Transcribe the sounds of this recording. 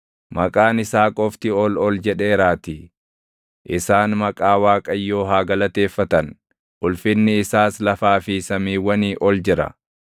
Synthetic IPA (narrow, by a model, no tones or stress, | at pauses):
mɐkʼaːnɪsaːkʼɔft̪ɪɔlɔld͡ʒɛᶑe̞ːɾaːt̪i | ʔɪsaːnmɐkʼaːwaːkʼɐjːo̞ːɦaːɡɐlɐt̪e̞ːfːɐt̪ɐn | ʔʊlfɪnːɪːsaːslɐfaːfɪsɐmiːwɐniːʔɔld͡ʒɪɾɐ̰